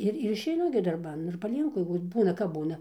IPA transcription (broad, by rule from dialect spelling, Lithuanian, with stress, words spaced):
ˈɪr ɪr ɪʃʲɛɪˈnʊ ɡʲɪ dɐrˈbɐn ɪr pɐˈlʲiɛŋkʊ ɪr ˈbuːnɐ kɐp ˈbuːnɐ